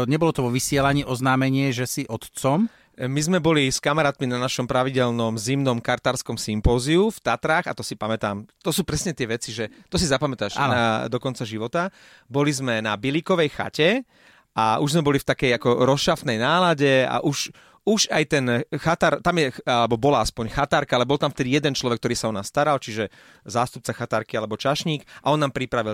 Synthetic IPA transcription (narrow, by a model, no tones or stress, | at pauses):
ɲɛbɔlɔt̪ɔʋɔʋisɪɛlaɲiːʔɔznaːmɛɲɪɛʒɛsiʔɔt̪t͡sɔm | mizmɛbɔliskamaɾaːt̪minanaʃɔmpɾaʋiɟɛlnɔmzimnɔmkaɾt̪aːɾskɔmsimpɔːziuft̪at̪ɾaːɣat̪ɔsipamɛt̪aːmt̪ɔsuːpɾɛsɲɛt̪ɪɛʋɛt͡siʒɛt̪ɔsizapamɛt̪aʃa̰nad̪ɔkɔnt͡saʒiʋɔt̪a | bɔlizmɛnabilikɔʋɛjxa̰cɛ | ʔaʔuʒzmɛbɔlift̪akɛjakɔɾɔsʃaft̪nɛjnaːlaɟɛa̰ʔuʃ | uʒajt̪ɛnxat̪aɾt̪amjɛalɛbɔbɔlaaspɔɲxat̪aːɾkaalɛbɔlˠt̪amft̪ɛd̪ijɛd̪ɛnt͡ʃlɔʋɛk̚t̪ɔɾiːsaɔnast̪aɾalt͡ʃiʒɛ | zaːst̪up̚t͡saxat̪aɾkialɛbɔt͡ʃaʃɲiːkʔaɔnːaːmpɾipɾaʋil